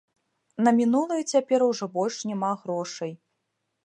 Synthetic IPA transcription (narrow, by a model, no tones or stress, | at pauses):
nɐmʲinulˠɨjɐt͡sʲapʲɛɾuwʐɔbɔlʲʂnʲɛmaɣɾɔʂɐj